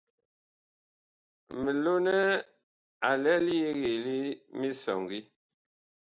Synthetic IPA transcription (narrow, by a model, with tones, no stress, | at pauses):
mə˨lo˦nɛ˦ | a˨lɛ˦li˦e˦ɣe˨li˦mi˦sɔ̰˨ŋɡi˦